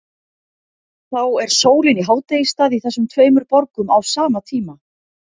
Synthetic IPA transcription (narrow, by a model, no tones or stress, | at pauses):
θawɛɾ̥soːwlɪniɦaːwt̪ejist̪aːðiθɛsːʏmt̪ʰveːjmʏɾpɔɾkʏmawsaːmat̪ʰiːma